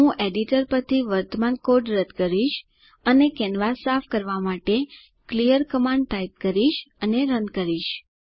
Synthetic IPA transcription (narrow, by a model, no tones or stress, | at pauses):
ɦũʔeɖiʈəɾpəɾt̪ʰiʋəɾt̪əmankoɾɖɾəd̪kəɾiʃ | ənekɛnʋasafʰkəɾʋamaʈe | klijəɾkəmãɳɖ̚ʈajp̚kəɾiʃəneɾənkəɾiʃ